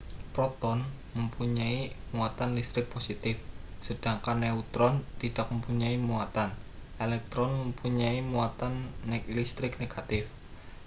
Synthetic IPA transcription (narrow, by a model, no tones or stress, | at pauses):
pɾɔt̪ɔnməmpuɲaimuat̪anlist̪ɾɪk̚posit̪ɪfsəd̥aŋkanːeut̪ɾɔnt̪id̥ak̚məmpuɲaimuat̪anʔelɛk̚t̪ɾɔnməmpuɲaimuat̪anːɛlist̪ɾɪk̚neɡ̥at̪ɪf